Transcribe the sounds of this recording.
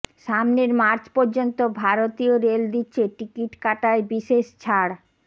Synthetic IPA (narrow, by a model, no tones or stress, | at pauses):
ʃamneɾmaɾt͡ɕpɔɾd͡ʑont̪obʱaɾot̪ioɾeld̪itːɕʰeʈikiʈkaʈaebiʃeʃt͡ɕʰaɽ